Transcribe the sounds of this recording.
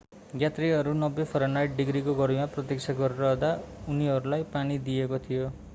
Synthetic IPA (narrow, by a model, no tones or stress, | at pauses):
ɡjat̪riɦʌɾunʌbːepʰʌɾanajʈ̚ɖiɡɾikoɡʌɾimaprʌt̪iksʰaɡʌɾeɾʌːd̪auniɦʌɾulajpanid̪iekot̪ʰijo